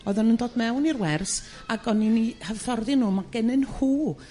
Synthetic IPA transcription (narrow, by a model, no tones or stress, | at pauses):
ɔɨðɔnəndoːd̚mɛwnirwɛrs | aɡɔninihəvθɔrðɪnːuːmaɡ̥ɛnɨnhuː